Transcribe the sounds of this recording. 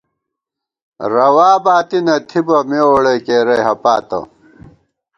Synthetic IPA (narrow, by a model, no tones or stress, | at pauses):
ɾɐwaːbaːt̪inɐt̪ʰibɐmeoɽɐjkeːɾɐjɦɐpaːt̪ɐ̰